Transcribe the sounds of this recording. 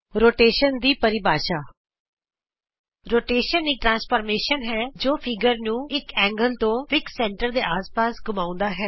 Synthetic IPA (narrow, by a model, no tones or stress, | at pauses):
ɾoːʈeːʃənd̪iːpəɾɪbaːʃaː | ɾoːʈeːʃəniːʈɾãːnspʰəːɾmeːʃənɦɛːd͡ʒoːpʰɪɡəɾnũːɪkɛ̃ːŋɡəlt̪õːʋɪksɛ̃ːɳʈəɾd̪eːʔaːspaːsɡʊmãːʊ̃nd̪aːɦɛː